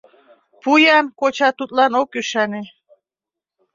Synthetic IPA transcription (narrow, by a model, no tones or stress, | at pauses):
pujɑnkot͡ɕɑt̪ut̪lɑnokyʃæne